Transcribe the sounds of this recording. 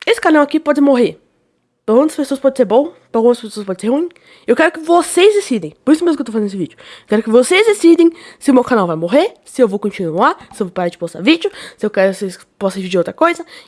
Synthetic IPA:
esɪ̥kaɾnɐ̃w̃akipɔd͡ʒɪmoɦe | pɾawɡũt̪ɐspesoɐspɔd͡ʒɪseɾbõw̃pɾawɡũmɐspesoɐspɔd͡ʒɪ̃seɾhũĩ | ewkɛɾʊkɪvosezd̪esid̪ẽj̃pʊɾisʊmezmkewt̪ofzẽnd̪d̪ʊsʊvid͡ʒʊewkɛɾʊkɪvosejzd̪esid̪ẽj̃sɪʊmewkanawvajmoɦesɪewvowkõt͡ʃinuasɪewvowpaɾaɾd͡ʒɪpost̪avid͡ʒʊsɪewkɛɾʊses | pɔsɐ̃vid͡ʒiɾowt̪ɾɐkojzɐ

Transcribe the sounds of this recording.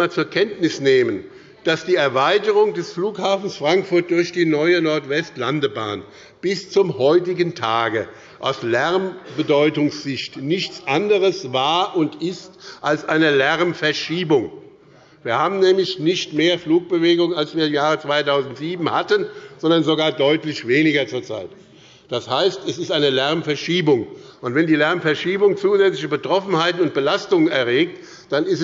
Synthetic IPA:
aːt͡suːɐkʰɛntnɪsneːmən | d̥asd̥iːɛɐvaɪtəʁʊŋdɛsfluːkhaːfn̩sfʁ̥aŋkfʊɐt̚d̥ʊɐçd̥iːnɔʏənɔɐtv̥ɛstlandəba̰ːn | b̥ɪst͡sʊmhɔʏtɪɡəntʰaːɡə | ʔa̰ʊslɛɐmbədɔʏtʊŋsz̥ɪçtnɪçt͡sʔandəʁəsvaːɐʔʊntɪstʔalsʔaɪnəlɛʁmfɛɐʃiːbʊŋ | viːɐhaːbm̩nɛːmlɪçnɪçtmeːɐfluːk̚b̥əveːɡʊŋnalsv̥iːɐimjaːʁ̞ət͡sv̥aɪtaʊzn̩tz̥iːbm̩hatənz̥ɔndɐnzoɡaːɐdɔʏtlɪçv̥eːnɪɡɐt͡suːɐt͡sa̰ɪt | d̥ashaɪstɛsɪstaɪnəlɛɐmfɛɐʃiːbʊŋʔʊntv̥ɛndiːlɛɐmfɛɐʃiːbʊŋt͡suːzɛt͡slɪçəbətʁ̥ɔfn̩haɪtn̩ʊnt̚b̥əlastʊŋənɛɐʁeːk̚t | d̥anɪst

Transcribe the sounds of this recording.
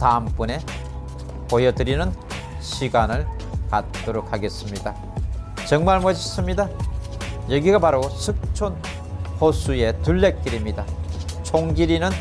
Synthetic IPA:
taɯmp͈une̞ | pojʌdɯɾinɯn | ɕʰiɡanɯɭka̰t̚t͈oɾokʰaɡe̞s͈ɯmɲida | t͡ɕʌŋmaɭmʌɕʰis͈ɯmɲida | jʌɡiɡapaɾosʰɯk̚t͡ɕʰon | hosʰuje̞tuɭːek̚k͈iɾimɲidat͡ɕʰoŋɡiɾinɯn

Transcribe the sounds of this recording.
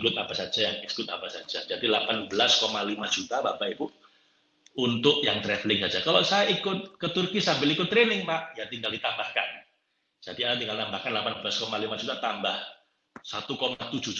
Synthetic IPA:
ɡʊt̪apasḁd͡ʒajaŋisɡʊt̪̚a̰pasḁd͡ʒḁd͡ʒadilapanbəlaskomalimad͡ʒ̥ut̪abapait̪u | unt̪ʊʔjaŋt̪ɾɛflɪŋsad͡ʒakalosajaikʊt̪̚kət̪ʊrkisambɪlikʊt̪ːɾenɪŋpaʔjat̪iŋɡaldit̪ambahka̰n | d͡ʒ̥adiadat̪iŋɡalnambahkanlapanbəlaskomalimad͡ʒut̪at̪ambah | sat̪ukomat̪ud͡ʒu

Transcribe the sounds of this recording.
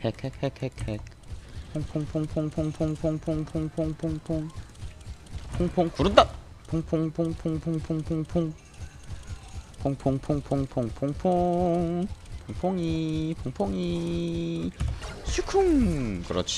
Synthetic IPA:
hʰekʰekʰekʰekʰek̚ | pʰoŋpʰoŋpʰoŋpʰoŋpʰoŋpʰoŋpʰoŋpʰoŋpʰoŋpʰoŋpʰoŋpʰoŋ | pʰoŋpʰoŋkuɾud̪apʰoŋpʰoŋpʰoŋpʰoŋpʰoŋpʰoŋpʰoŋpʰoŋ | pʰoŋpʰoŋpʰoŋpʰoŋpʰoŋpʰoŋpʰoŋpʰoŋpʰoŋipʰoŋpʰoŋi | sʰukʰuŋkɯɾʌ̰t͡ɕʰi̥

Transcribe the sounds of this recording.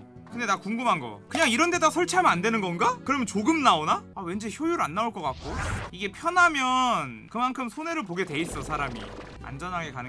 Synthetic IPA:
kɯnde̞nakuŋɡɯmɦanɡʌ̰kɯɲaŋiɾʌnde̞dasʰʌɭt͡ɕʰiamjandwe̞nɯnɡʌnɡakɯɾʌmjʌnt͡ɕoɡɯmnaonaawe̞nd͡ʑeçjojuɾɯanːauɭk͈ʌk͈ak̚k͈oiɡe̞pʰjʌnɦamjʌnkɯmankʰɯmsʰone̞ɾɯɭp̬oɡe̞de̞is͈ʌsʰaɾamḭ | a̰nd͡ʑʌnɦaɡe̞kanɯ

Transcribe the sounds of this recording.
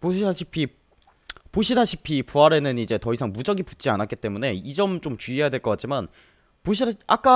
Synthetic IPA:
poɕiaɕʰipʰi | poɕʰinaɕʰi̥pʰipuaɾe̞nɯnid͡ʑe̞tʌisʰaŋmud͡ʑʌɡiput͡ɕ͈ianak͈it͈e̞mune̞id͡ʑʌmt͡ɕ͈omt͡ɕuijadweɭk͈ʌk͈at͡ɕ͈iman | poɕ̬ʰiak͈a

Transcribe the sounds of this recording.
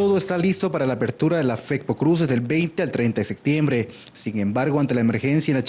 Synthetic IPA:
o̞ðoest̪alist̪o̞paɾalaːpe̞ɾt̪uɾaðe̞lafek̚pokɾus̬ezðe̞lbe̞jnt̪ealt̪ɾejnt̪aðesep̚t̪je̞mbɾe̞ | siŋe̞mbaɾɣoant̪e̞laeme̞ɾxe̞nsjaenlat͡ʃ

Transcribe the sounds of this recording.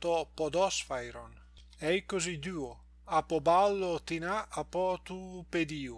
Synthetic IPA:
t̪ɔpɔd̪ɔsfajɾon | ɛjkozid̪yːo | apɔbalːot̪inaapɔt̪uped̪iːu

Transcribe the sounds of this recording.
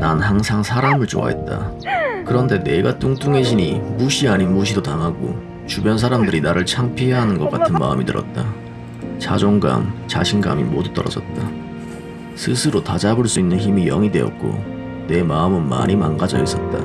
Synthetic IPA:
nanhaŋsʰaŋsʰaɾamɯɭt͡ɕo̰a̰ɦḛt̚t͈a̰kɯɾʌnde̞ne̞ɡat͈uŋt͈uŋe̞ɕʰiɲimuɕʰiaɲinmuɕ̬ʰidotaŋɦaɡo̰ | t͡ɕubjʌnsʰaɾamdɯɾinaɾɯɭt͡ɕʰaŋpʰiɦeɦanɯnɡʌk͈atʰɯnma̰ɯmitɯ̰ɾʌ̰t̚t͈a | t͡ɕa̰d͡ʑoŋɡa̰mt͡ɕaɕʰinɡa̰mḭmodut͈ʌɾʌd͡ʑʌt̚t͈a | sʰɯsʰɯɾotad͡ʑaboɭs͈uinːɯnçimijʌŋidwe̞jʌt̚k͈o̰ | ne̞maɯmɯnma̰ɲʔimaŋɡad͡ʑʌ̰is͈ʌt̚t͈a

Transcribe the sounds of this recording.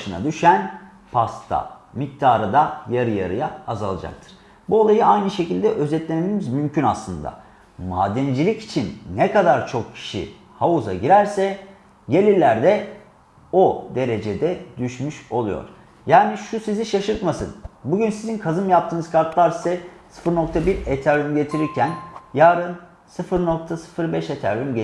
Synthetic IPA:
ʃɯna̰d̪yʃæn | pʰast̪ʰa̰mic̚t̪ʰaːɾɯd̪ajaɾɯja̰ɾɯ̰jaːzalˠa̰d͡ʒa̰k̚t̪ʰɯ̥ɾ̥ | buolˠajɯajnɯʃe̞cilʲd̪ɛʔø̞zɛt̪lʲenememizmymcʰynaslˠɯnd̪a̰ | ma̰ːd̪ɛnd͡ʒilʲici̥t͡ʃʰinːɛkad̪aɾt͡ʃʰo̞kcʰi̥ʃḭ | hauza̰ɟiɾæɾsɛ | ɟe̞lʲiɾlʲæɾd̪ɛ | o̞d̪e̞ɾe̞d͡ʒed̪ɛd̪yʃmyʃo̞lˠujo̞̰ɾ̥ | jaːniʃusiziʃaʃɯɾt̪masɯnbuɟynsizinkʰazɯmjap̚t̪ʰɯːnɯz̥kʰaɾt̪lˠaɾisɛsɯ̥fɯɾno̞k̚t̪ʰabiɾet̪ʰaɾʲymɟe̞t̪ʰiɾiɾcʰænjaːɾɯn | sɯfɯɾnok̚t̪ʰasɯ̥fɯɾbɛʃet̪ʰæɾymɟe

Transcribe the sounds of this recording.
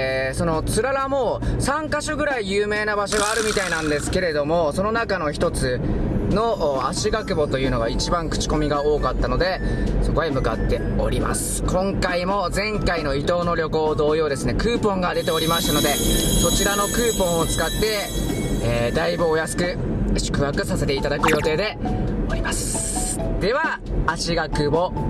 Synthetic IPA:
so̞no̞t͡sɨɾaɾamosãŋkaɕoɡɯ̟ɾaijɯːme̞ːnabaɕo̞ɡaːɾɯ̟mʲit̪ainãnd̪e̞sɨ̥ke̞ɾe̞d̪o̞mo̞so̞no̞nakano̞çi̥t̪o̞t͡sɨno̞ʔaɕiɡakɯ̟bo̞t̪o̞jɯ̟ːno̞ɡait͡ɕibãŋkɯ̟̥t͡ɕi̥ko̞mʲiɡao̞ːkat̪ːano̞d̪e̞so̞ko̞emɯ̟ka̰t̪ːe̞o̞̰ɾʲima̰sɨ̥kʰõ̞ŋkaimo̞d͡zẽ̞ŋkaino̞it̪o̞ːno̞ɾʲo̞ko̞ːd̪o̞ːjo̞ːd̪e̞sɨne̞kɯːpõ̞ŋɡad̪e̞t̪e̞o̞ɾʲimaɕi̥t̪ano̞d̪e̞so̞t͡ɕiɾano̞kɯ̟ːpõ̞ɰ̃ot͡sɨ̥kat̪ːe̞ː | d̪aibɯ̟o̞jasɨ̥kɯ̟ɕɨ̥kɯ̟βakɯ̟sase̞t̪e̞it̪ad̪akɯ̟jo̞t̪e̞ːd̪e̞o̞ɾʲimasɨ̥d̪̥e̞βaːɕiɡakɯ̟bo̞

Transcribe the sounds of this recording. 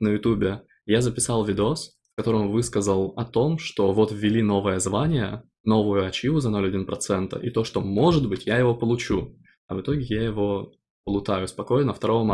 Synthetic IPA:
nəjʊt̪ubʲɪ | jazəpʲɪsɑlˠvʲɪd̪os | fkɐt̪o̞ɾəmvɨskəzəlˠɐt̪o̞mʂt̪o̞vo̞t̪vʲːɪlʲino̞vɨjəzvanʲɪjə̰ | no̞vʊjʊɐt͡ɕivʊzɐno̞lʲɐdʲinpɾɐt̪sɛnt̪ə̰ʔɪt̪o̞ʂt̪o̞mo̞ʐɨd̪bɨtʲjajɪvo̞pəlˠʊt͡ɕu | ɐ̰vɨt̪oɡʲɪjajɪvo̞ | pəlˠʊt̪ajʊspɐko̞jnəft̪ɐɾo̞vəm

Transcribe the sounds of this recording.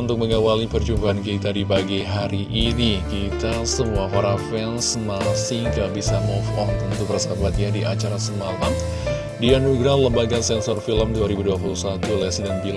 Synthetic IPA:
unt̪ʊk̚məŋawalipərd͡ʒumbaankit̪adibaɡajɦaɾiʔinikit̪asəmuaɦoɾafɛnsmasiŋkabisamɔfɔft̪ənt̪ubərsabat̪̚jadiʔat͡ʃaɾasənala | dianuɡɾahləmbaɡasɛnsɔrfiləmduaɾibuduapulusat̪ulɛsidanbil

